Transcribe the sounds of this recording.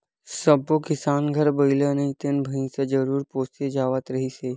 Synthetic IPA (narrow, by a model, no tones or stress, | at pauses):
səbokɪsaːnɡʱəɾbəɪlenɐɦĩt̪ɪnbʱəĩsed͡ʒəɾuːɾpoːst̪ed͡ʒaːʋət̪ɾəɦiseː